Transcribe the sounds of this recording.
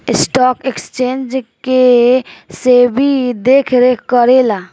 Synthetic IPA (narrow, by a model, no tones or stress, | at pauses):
ɪsʈɔːkekst͡ʃẽːnd͡ʒke | sebʱid̪eːkʰɾekəɾeːlaː